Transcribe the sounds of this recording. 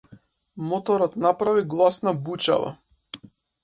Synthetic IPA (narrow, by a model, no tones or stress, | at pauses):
mɔt̪ɔɾɔt̪napɾaviɡlˠasnabut͡ʃa̰va̰